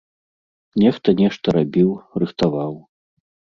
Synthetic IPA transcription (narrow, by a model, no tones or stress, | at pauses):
nʲɛxt̪ɐnʲɛʂt̪ɐɾabʲiwrɨxt̪avaw